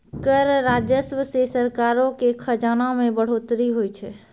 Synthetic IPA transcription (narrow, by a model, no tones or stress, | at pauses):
kəɾɾad͡ʒjəsʋəsesəɾkaɾõkekʰəd͡ʒanamẽbəɽ̤ot̪ɾiɦojt͡ʃʰɛ